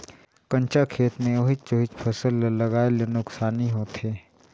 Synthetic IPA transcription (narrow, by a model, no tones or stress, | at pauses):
kɐ̃nt͡ʃakʰeːt̪mẽoɦɪt͡ʃoɦɪt͡ʃpʰəsəlːɐɡaːelenʊksaːniɦoːt̪eː